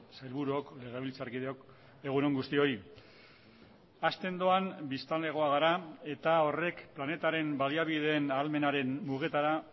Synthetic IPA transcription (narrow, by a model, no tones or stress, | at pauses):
sajlβuɾuo̞kle̞ɣ̞e̞β̞ilt͡saɾkið̞eo̞k | e̞ɣuno̞ŋɡust̪io̞ɾi | ast̪e̞nd̪o̞ambist̪anle̞ɣ̞o̞aɣ̞aɾae̞t̪ao̞re̞kplane̞t̪aɾe̞mbaliaβið̞e̞ːnalme̞naɾe̞nmuɣ̞e̞t̪aɾa